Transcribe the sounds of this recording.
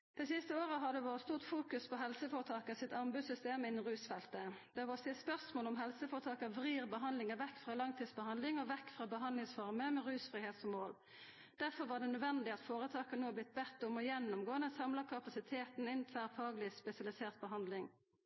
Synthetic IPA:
d̪̥ɛsɪst̪əoːʁəɦɑd̪ɛʋoːɾət̪st̪uːʁt̪fuːkʉspʰɔɦɛlsəfoːɾət̪ʰɑːkəsɪt̪ɑmbʉsʏst̪eːmɪnːn̩ʁʉːsfɛlt̪əd̪̥ɛɑʋoːsɪt̪spœʁsmoːlɔmɦɛlsəfoːʁt̪ʰɑːkəʋʁiːʁbəɦɑnd̪lɪŋəʋɛkːfʁɑːlɑŋt̪ʰiːd̪sbəhɑnd̪lɪŋɔʋɛkːfʁɑːbəɦɑnd̪lɪŋsfɔʁməmɛʁʉːsfʁɪːheːt̪sɔmoːl | d̪̥æʁfɔʁʋɑːʁd̪ɛnœd̪ʋɛnd̪ɪɑt̪foːɾʁət̪ʰɑːkənoːblɪt̪̚ːbɛt̪ːɔmɔjɛnːʊmɡoːənəsɑmlɑkʰɑpɑsɪt̪ʰeːt̪n̩ɪnt̪ʰʋæːʁfɑːɡlɪspɛsɪɑlɪseːʁt̪̚bəɦɑnd̪lɪŋ

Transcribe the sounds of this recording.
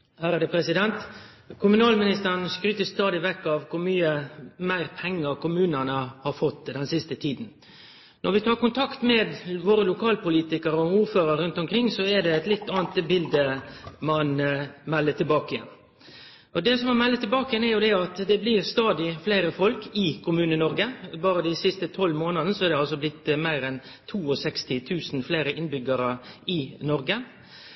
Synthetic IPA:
hæːɾəd̪əpʰɾɛsɪd̪ɛnt̪ | kʰʊmʉnɑːlmɪnɪst̪əɾənskɾyːt̪əst̪ɑːd̪ɪʋɛkːɑʋkʰʊmyːəmæɪɾpʰɛŋːəɾkʊmʉːnənəhɑɾfɔt̪ːd̪ɛnsɪst̪ət̪ʰiːd̪n̩ | nʔɔɾʋɪt̪ʰɑːɾkʊnt̪ʰɑkt̪mɛd̪ʋoːɾəlʊkʰɑːlpʊliːt̪ɪkəɾəɔuːɾføːɾəɾɾʉnt̪ʊmkʰɾɪŋːsɔɛd̪ɛɛt̪lɪt̪ːɑːnt̪bɪld̪əmɑnmɛlːət̪ʰɪlbɑːkəjɛ̰n | ʔɔd̪ɛsɔmɑnmɛlːət̪ʰɪlbɑːkəjɛnɛɾjʊd̪ɛɑt̪d̪ɛblɪɾst̪ɑːd̪ɪfleɪɾəfɔlkɪkʰʊmʉːnənɔɾɡəbɑːɾəd̪æɪsɪst̪ət̪ʰɔlmoːnɑd̪nəsɔæɾd̪ɛɑlsɔblɪt̪ːmæɪɾɛn | t̪ʰuːɔsɛkst̪ɪt̪ʰʉːsn̩fleːɾəʔɪnbʏɡəɾəɪnɔɾɡə

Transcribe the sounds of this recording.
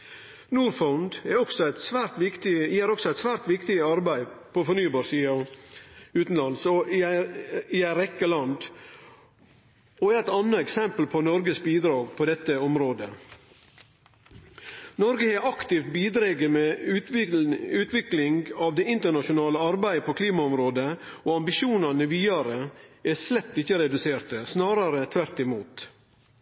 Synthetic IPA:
nuːɾfɔʊnd̪ɛɔɡsɔæɪt̪sʋæːɾt̪ʋɪkt̪ɪɪhæːɾɔksɔæɪt̪sʋæːɾt̪ʋɪkt̪ɪɑɾbæɪpʰɔfɔɾɳyːbɑːɾsiːɑ | ʉːt̪n̩lɑnsɔ | ɪæɪɾɛkːəlɑnd̪ | ɔæɾæɪt̪ɑnːəɛksɛmpəl̩pʰɔnɔɾɡəsbiːd̪ɾɑːɡpʰɔd̪ɛt̪ːəɔmɾoːd̪ə̰ | nɔɾɡəhæʔɑkt̪ɪft̪̚biːd̪ɾeːɡəmɛ | ʉːt̪ʋɪklɪŋɡɑʋd̪ɛɪnt̪əɳɑʂʊnɑːləɑɾbæɪəpʰɔkʰliːmɑɔmɾoːd̪əɔːɑmbɪʃuːnɑnəʋiːɑɾəæslɛt̪ːɪçːəɾɛd̪ʉseːɾt̪əsnɑːɾɑɾət̪ʰʋæɾt̪ɪmuːt̪

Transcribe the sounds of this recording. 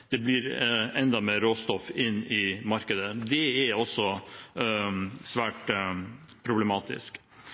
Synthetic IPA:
d̪̥ɛbliɾɛnd̪ɑmeːɾoːst̪ɔfɪnːɪmɑɾkəd̪əd̪ɛæɔsːɔ | sʋæːʈ | pʰɾʊblɛmɑːt̪ɪ̰sk

